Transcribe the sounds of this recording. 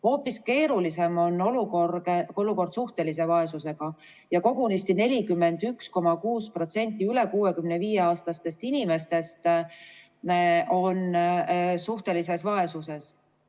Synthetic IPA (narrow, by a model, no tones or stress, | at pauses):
ho̞ːpːiske̞ːɾulise̞mo̞no̞lukorɡeoluko̞rd̪suht̪e̞lise̞vɑe̞suse̞ɡ̥ɑ | jɑko̞ɡunist̪ine̞lʲikymːe̞nd̪̥yksko̞mɑkuːspro̞t̪se̞nʲt̪ʲːˑiyle̞kuːe̞kymneviːjeɑːst̪ɑst̪e̞st̪inʲime̞st̪e̞st̪ | o̞n | suht̪e̞lise̞svɑe̞suse̞s